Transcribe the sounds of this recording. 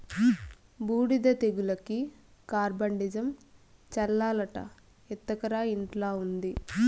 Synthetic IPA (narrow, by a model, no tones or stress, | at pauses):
buːɽid̪ɐt̪eɡulɐki | kaːɾbɐɳɖid͡ʒɐm | t͡ʃɐlːaːlɐʈɐ̰ | it̪ːɐkɐɾaːiɳʈlaːund̪i